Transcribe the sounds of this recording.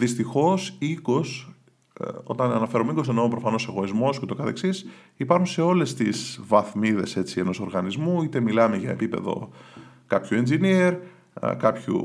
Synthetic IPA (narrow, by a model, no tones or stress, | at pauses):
ðist̪ixo̞siko̞s | o̞̰t̪ɐnɐnɐfe̞ɾomeiɡo̞senopɾo̞fɐno̞seɣo̞izmo̞scet̪o̞kɐθeksis | ipɐɾxunseo̞le̞st̪ḭzvɐθmiðe̞se̞t͡sie̞no̞so̞ɾɣɐnizmuit̪e̞milɐme̞ʝɐepipe̞̰ðo̞̰ | kɐpçue̞nzinieɾ | kɐpçṵ